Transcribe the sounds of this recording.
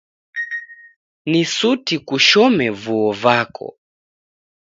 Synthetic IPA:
nisutikuʃɔmɛvuɔvakʰɔ̰

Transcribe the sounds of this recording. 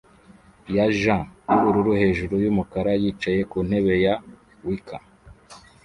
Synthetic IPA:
jaʒãuɾuɾuhe̞ːʒuɾujumukaɾajiːt͡ʃaje̞kun̥he̞βe̞ja | wikʰa

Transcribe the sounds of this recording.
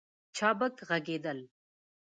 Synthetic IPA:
t͡ʃʰɑːbəkɣɐɡeːd̪əl

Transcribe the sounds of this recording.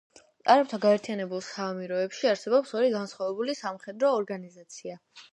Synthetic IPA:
sʼaɾɛp̚t̪ʰaɡaɛɾt̪ʰianɛbulˠsamiɾɔɛpʃiaɾsɛbɔpsɔɾiɡansχwavɛbulisamχɛd̪ɾɔːɾɡanizat̪sʰia

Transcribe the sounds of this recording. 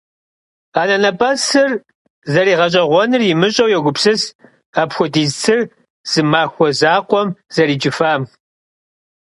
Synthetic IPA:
aːnɐnɐpʼɐsɨr | zɐɾiːʁɐɕ̬ʼɐʁʷɔnɨrjɪmɨɕʼɐwjɛɡʷʊpsɨs | aːpxʷʊdiːzt͡sʰɨr | z̥ɨmaːxʷɔzaːqʷɔmz̥ɐɾiːd͡ʒɪfaːm

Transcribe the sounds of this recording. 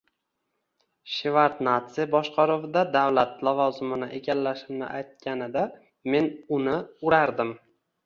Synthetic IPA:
ʃɪvaɾt̪nat̪sɪjbɒʃqʰɑɾovɪd̪ad̪avlat̪lˠavɒzɪmɪnɪʔeɡʲalːaʃɪmnɪ̰ʔajt̪̚kʲanɪd̪a | me̞nʊnɪʊɾaɾd̪ɪm

